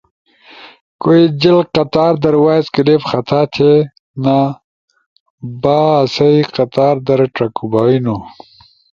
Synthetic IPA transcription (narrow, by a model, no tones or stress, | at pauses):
koid͡ʑilqɐt̪aːɾd̪ɐɾwaːzkilepxɐt̪ʰaːt̪ʰe | na | baːsɐiqɐt̪aːɾd̪ɐɾʈɐkubaːinu